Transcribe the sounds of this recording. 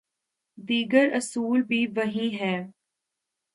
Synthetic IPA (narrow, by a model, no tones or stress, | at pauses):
d̪iːɡəɾɐsuːlbʱiʋɐɦĩɦɛː